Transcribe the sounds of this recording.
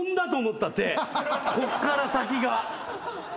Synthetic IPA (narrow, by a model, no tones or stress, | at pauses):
nd̪at̪o̞ːmo̞t̪ːat̪eko̞kːaɾasak̬ʲiɡa